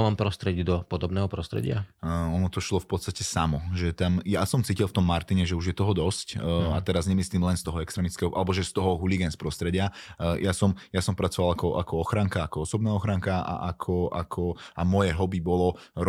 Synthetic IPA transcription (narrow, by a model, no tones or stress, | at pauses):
mampɾɔst̪ɾɛɟid̪ɔpɔd̪ɔbnɛːɦɔpɾɔst̪ɾɛ̰ɟɪa̰ɔnɔt̪ɔʃlɔfpɔt̪st̪acɛsamɔʒɛt̪amjasɔmt͡siːcilˠft̪ɔmːaɾt̪iɲɛʒɛuʒjɛt̪ɔɦɔd̪ɔscat̪ɛɾazɲɛmisliːmlɛnst̪ɔɦɔɛkst̪ɾɛːmit͡skɛɦɔʔalɛbɔʒɛst̪ɔɦɔɦuliɡɛnspɾɔst̪ɾɛɟɪajasɔmjasɔmpɾat͡sɔʋalakɔʔakɔɔxɾaŋkaakɔɔsɔbnɛːɔxɾaŋkaa̰ʔa̰kʰɔa̰kʰɔamɔjɛɦɔbibɔlɔɾ